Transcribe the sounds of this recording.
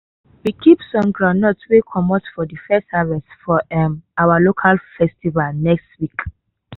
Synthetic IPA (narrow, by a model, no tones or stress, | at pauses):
wikʰipsɔ̃nɡɹãnɔtwekʰɔmɔtfɔdəfɛstavɛsfɔɛmawalokʰalfɛstivalnɛkstwik